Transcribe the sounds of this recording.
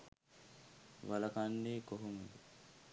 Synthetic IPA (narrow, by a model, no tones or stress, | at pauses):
ʋalɐkanːeːkoɦumud̪u